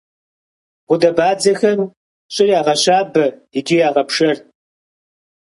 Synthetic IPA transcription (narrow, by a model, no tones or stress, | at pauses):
ʁʷʊdɐbaːd͡zɐxɐm | ɕʼɪrjaːʁɐɕaːbɐidijaːʁɐpʂɐr